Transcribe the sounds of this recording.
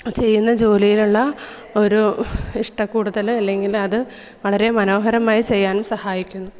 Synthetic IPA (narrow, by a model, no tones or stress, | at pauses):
t͡ɕe̞jːunːɐd͡ʑo̞ːlijiluɭːɐ | o̞ɾuiʂʈɐkːuːɽuðɐlɐlːe̞ŋɡilɐðɨ | ʋɐɭɐɾe̞mɐno̞ːɦɐɾɐmaːjit͡ɕe̞jːaːnumsɐhaːjikʲːunːu